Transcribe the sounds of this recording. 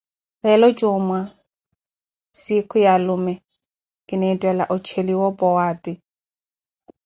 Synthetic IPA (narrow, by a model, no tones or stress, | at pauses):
lɛlɔt͡ʃʼʊma | sikʰʊjalʊmɛ | kʼɪnɛitʼɛla̰ʔʊt͡ʃʰeliwɔpʼɔwaːtʼi